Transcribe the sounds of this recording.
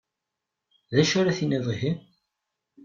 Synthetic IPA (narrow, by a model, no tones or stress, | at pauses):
ðæʃʊɾaθiniðˤiɦim